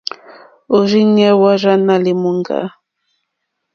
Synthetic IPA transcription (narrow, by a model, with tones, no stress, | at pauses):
o˨ɾi˦ɲɛ˦wa˦ɾa˦na˨li˨mu˦ŋɡa̰˦